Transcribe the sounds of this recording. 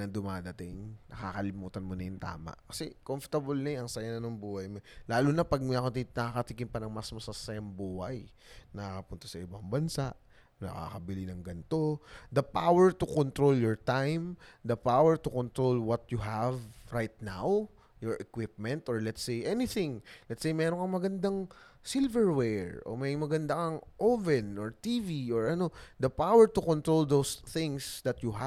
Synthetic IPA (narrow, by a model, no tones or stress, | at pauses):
nɐd̪ʊmaːd̪ɐt̪ɪŋnɐkaːkɐlɪmuːt̪ɐnmonɐjʊnt̪a̰ːmɐ̰ʔkɐsɛkomft̪ɐbolnɐɐŋsɐjanɐnoŋbuːhɐjmolaːlunɐpɐɡ̚mɐkot̪inɐakɐt̪ikɪnpɐnɐŋmɐsmɐsasɐjɐmbuːhɐ̰j | nɐkɐpʊnt̪osɐʔɪbaŋbɐnsaʔ | nɐ̰ka̰kɐbɪlinɐŋɡɐnt̪o̞d̪ɐpawɛɹt̪ʊkont̪ɾoljɔɹt̪ajmd̪ɐpawɛɹt̪ʊkɔnt̪ɾolwɐt̪̚jʊɦævɹajt̪̚na̰w | jɔɹʔɛkwɪp̚mɛ̃nt̪ʔɔɹlɛt̪sejʔɛnɪθɪ̃ŋlɛt̪sejmɛːɾoŋkɐŋmɐɡɐnd̪aŋsɪlvɛɹwɛɹʔo̰mɐjmɐɡɐnd̪akɐŋʔovɛnʔoɹt̪iviʔoɹɐno̞d̪ɐpawɛɹt̪ʊkont̪ɾold̪owsθɪ̃ŋsd̪ɐt̪juɦa